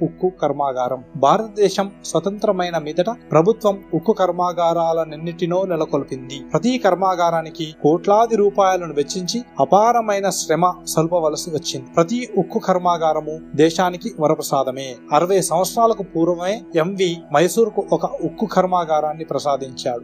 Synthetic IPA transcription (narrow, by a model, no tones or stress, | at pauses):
ukːukɐɾmaːɡaːɾɐmbʱaːɾɐt̪ɐd̪ɛːʃɐmsʋɐt̪ɐnt̪ɾɐmɐjnɐmiːd̪ɐʈɐpɾɐbʱut̪ʋɐmukːukʰɐɾmaːɡaːɾaːlɐnenːiʈino̞ːnilɐkolpind̪ipɾɐt̪ikɐɾmaːɡaːɾaːnikikoːʈlaːd̪iɾuːpaːjɐlɐnuʋet͡ʃːiɲt͡ʃiɐpaːɾɐmɐjnɐʃɾɛmɐsɐlupɐʋɐlɐsiʋɐt͡ʃːind̪ipɾɐt̪iukːukʰɐɾmaːɡaːɾɐmud̪ɛːʃaːnikiʋɐɾɐpɾɐsaːd̪ʱɐme̞ːɐɾɐʋɐjɐsɐ̃m̃ʋɐt̪sɾaːlɐkupuːɾʋɐʋɐme̞ːemʋimɐjsuːɾkuʔɔkɐukːukʰɐɾmaːɡaːɾaːnːipɾɐsaːd̪ʱiɲt͡ʃaːɽu